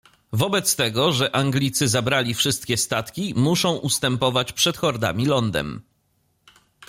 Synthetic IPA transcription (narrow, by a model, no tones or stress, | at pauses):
vɔbɛt̪st̪ɛɡɔʐɛʔaŋɡlʲit̪sɘzabɾalʲifʂɘst̪̚kʲɛst̪at̪kʲimuʂɔ̃w̃ʔust̪ɛmpɔvat͡ɕpʂɛt̪xɔɾd̪a̰mʲilɔnd̪ɛ̰m